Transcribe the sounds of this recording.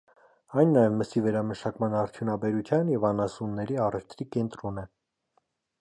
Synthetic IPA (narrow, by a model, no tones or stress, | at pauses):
ɑjnːɑjɛnməsivɛɾɑməʃɑkmɑnɑɾt̪ʰjunɑbɛɾut͡sʰjɑnjɛvɑnɑsunːɛɾiɑrɛft̪ʰɾikɛnt̪ɾɔnɛ